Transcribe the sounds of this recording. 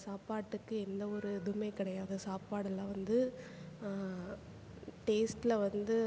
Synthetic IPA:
saːpaːʈːɯkːɯɛnd̪ɐɔɾɯd̪ʊmɐɪkɪɽɐjaːðɯsaːpaːɽɐlɐʋɐnd̪ɯ | ʈeːsʈɪlɐʋɐnd̪ɯ

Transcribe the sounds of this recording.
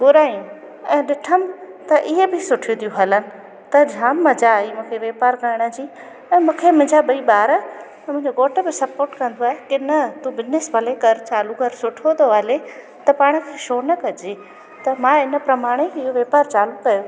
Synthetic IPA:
ɡʊɾaːijũ | ɛ̃ːɗɪʈʰəmt̪ɐʔɪɦebʱɪsʊʈʰijũt̪ʰijũɦɐlənɪ̆ | t̪ɐd͡ʑʱaːmːɐd͡ʑaimũːkʰeʋeːpaːɾkɐɪɽ̃ə̆d͡ʑiː | ɛ̃ːmũːkʰemʊ̃ɦɪ̃ɲd͡ʑaɓɐiɓaːɾə | mʊ̃ɦɪ̃ɲd͡ʑoɡoːʈə̆bɪsɐpoːɾʈkɐ̃n̆d̪oaːɦekɪnət̪ũbɪznɪsbʱɐlekɐɾt͡ɕaːlukɐɾsʊʈʰot̪oʋaːle | t̪ɐpaːɽ̃ə̆kʰeʃoːnɐkɐd͡ʑeː | t̪ɐmãːɪnə̆pɾɐmaːɽ̃ekɪɦoʋeːpaːɾt͡ɕaːlukɐjo

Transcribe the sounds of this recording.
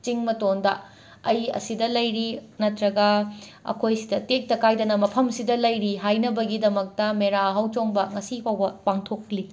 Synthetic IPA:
t͡ʃiŋmɐtondɐ | ɐjɐ̰sidɐlɐjɾinɐtɾɐɡɐɐ̰kʰojsidɐtek̚tɐkajdɐnɐmɐpʰɐmsidɐlɐjɾiɦajnɐbɐɡidɐmɐk̚tɐmeɾaɦɐwt͡ʃoŋbɐŋɐsihɐwbɐpaŋtʰokli

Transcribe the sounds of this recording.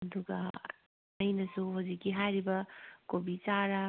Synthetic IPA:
ɐd̪uɡɐ̰ | ɐjnɐsuɦuzikːiɦajɾibɐkobit͡ʃaɾɐ

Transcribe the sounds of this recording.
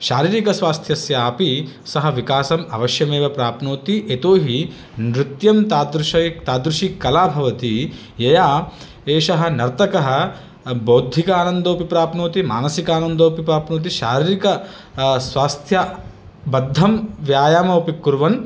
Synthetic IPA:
ʃaːɾiːɾikɐsʋaːst̪ʰjɐsjɐaːpi | sɐɦɐʋikaːsɐmɐ̰ʋɐʃjɐmeːʋɐpɾaːpnoːt̪iʔet̪oːɦi | nɾɪt̪jɐmt̪aːd̪ɾuʃɐt̪aːd̪ɾuʂikɐlaːbʱɐʋɐt̪i | jɐjaː | eːʃɐɦɐ̆nɐɾt̪ɐkɐɦɐ | boːd̪ʱikaːnɐnd̪oːpipɾaːpnoːt̪ima̰ːnɐsikaːnɐnd̪oːpipɾaːpnoːt̪̬iʃaːɾiːɾikɐ | sʋaːst̪ʰjɐ | bɐd̪ʱːɐmʋjaːjaːmɐpikːuɾʋɐn

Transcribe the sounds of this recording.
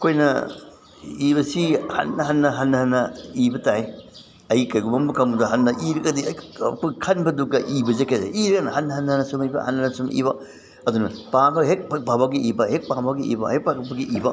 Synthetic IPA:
ɐkʰojnɐ̰ | iβɐsihɐ̰nːɐɦɐnːɐɦɐnːɐhɐnːɐibɐtae | ɐjkɐjɡumɐmbɐkɐmudɐɦɐnːɐʔiɾɐɡɐdiɐɐkʰokʰɐnbɐduk̚dɐʔibɐzekɐza̰iɾɐɡɐnɐhɐnːɐhɐnːɐhɐnːɐsumibɐ̰hɐnːɐnɐsumḭbɐ | ɐdunɐpabɐɦek̚pak̚babaɡiibɐhek̚pabaɡiḭbɐ̰hek̚pakɐbɐɡiʔibɐ

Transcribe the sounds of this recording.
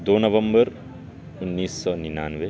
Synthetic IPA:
d̪oːnɐʋə̃mbəɾ | ʊnːiːsːɔːninaːnʋe

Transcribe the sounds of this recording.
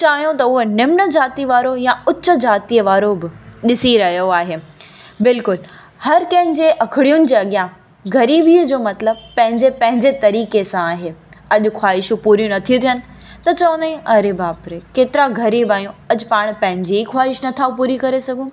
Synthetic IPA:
t͡ɕaːɦijõt̪ɐʊɦonɪmnəd͡ʑaːt̪iʋaːɾojãʊt͡ɕːə̆d͡ʑaːt̪iəʋaːɾobɪɗɪsiɾɐɦjoaːɦeː | bɪlkʊl | hɐɾkɐ̃ɦɪ̃ɲd͡ʑeʔɐkʰɪɽijʊnɪ̆d͡ʑeːɐɠijã | ɡʱɐɾiːbiəd͡ʑoːmɐt̪ləb̚pɐ̃ɦɪ̃ɲd͡ʑepɐ̃ɦɪ̃ɲd͡ʑet̪ɐɾiːkesãaːɦeː | ɐʄʊxwaːɪʃũpuːɾjũnɐt̪ʰijũt̪ʰiɦənɪ̆ | t̪ɐt͡ɕɐʋə̃nd̪aĩɐɾebaːpɾekeːt̪ɪɾaɡʱɐɾiːbaːjũɐʄʊpaːɽ̃pɐ̃ɦɪ̃ɲd͡ʑiixwaːɪʃnɐt̪ʰaːupuːɾikɐɾesɐɡʱũ

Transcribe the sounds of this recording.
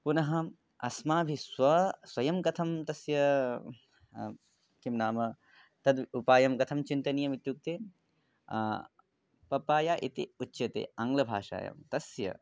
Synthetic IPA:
punɐɦɐ̆ | ɐsmaːbʱiswʋɐsʋɐjɐmkɐt̪ʰɐmt̪ɐsjɐ | kimnaːmɐ | t̪ɐd̪upaːjɐmkɐt̪ʰɐmt͡ʃint̪ɐnijɐmit̪juk̚t̪eː | pɐpaːjaːʔit̪iutːʃɐt̪ḛːɐŋɡlɐbʱaːʂa̰ːjɐ̰mt̪ɐsjɐ̰

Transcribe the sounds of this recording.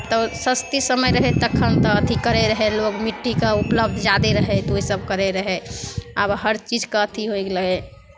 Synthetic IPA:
t̪ɔsəst̪isəməjɾəɦet̪əkʰːənt̪ɔət̪ʰikəɾeɾəɦelokmiʈːikaupləbd̪ʱd͡ʒad̪eɾəɦet̪oisəb̚kəɾeɾəɦeəbɦəɾt͡ʃid͡ʒkaət̪ʰiɦoekləɡe

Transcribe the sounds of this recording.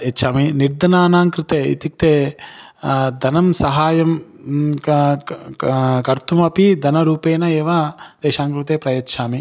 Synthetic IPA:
ɐtːʃʰaːminiɾd̪ɐnaːnaːŋkɾɪt̪eːḭt̪ik̚t̪eː | d̪ʱɐnɐmsɐɦaːjɐm | kɐɾt̪umɐpid̪ʱɐnɐɾuːpeːnɐeːʋad̪̥ɛːʃaːŋkɾut̪eːpɾɐjɐtːʃʰaːmi

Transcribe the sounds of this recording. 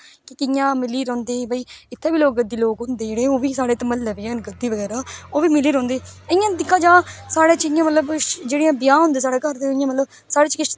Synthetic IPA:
kɪkɪjãːmɪliːɾə̃ːnd̪eːbəiːɪt̪ʰːeːbiːloːk̚ɡəd̪ːiːloːkɦʊnd̪eːd͡ʒeːɽeːoːbiːsaːɽeːt̪əməlːɛːbiəːnɡəd̪ːiːʋəɡɛːɾaːoːʋiːmɪliːɾɔ̃ːnd̪eːəɪjãːd̪ɪkʰːãːd͡ʒãːsaːɽeːt͡ʃjãːmət̪ləbd͡ʒeːɽĩjãːbɪjãːɦʊ̃nd̪eːs̬aːɽeːkəɾd̪eɪjãːmət̪ləb | saːɽeːt͡ʃkɪʃ

